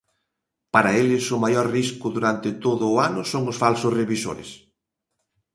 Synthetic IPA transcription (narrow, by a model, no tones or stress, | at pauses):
paɾaelɪsʊmajɔɾriskʊðuɾant̪ɪt̪oðʊːanʊsoŋʊsfalsʊsreβiso̰ɾɪ̰s